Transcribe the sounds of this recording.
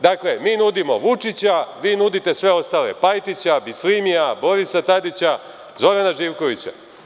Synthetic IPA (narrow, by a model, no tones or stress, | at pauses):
d̪akle̞miːnud̪imo̞ʋut͡ʂit͡ɕaʋiːnud̪it̪e̞sʋe̞o̞st̪ale̞pajt̪it͡ɕabislimijabo̞ɾisat̪ad̪it͡ɕa | zoʋenaʒiːʋko̞ʋit͡ɕa̰